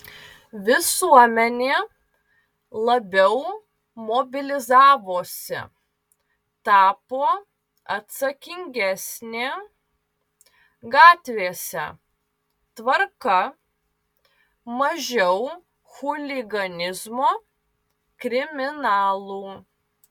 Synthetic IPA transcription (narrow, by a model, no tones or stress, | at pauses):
ʋʲɪsuɔmʲɛnʲeː | lˠɐbʲɛʊ | moːbʲɪlʲɪzɑːʋoːsʲɪ̰ | t̪ɑːpoː | ɐt̪sɐkʲɪŋʲɡʲɛsʲnʲeː | ɡɑːt̪ʲʋʲeːsʲɛ̰ | t̪ʋɐɾkɐ | mɐʒʲɛʊ | xʊlʲɪɡɐnʲɪzmoː | kɾʲɪmʲɪnɑːlˠuː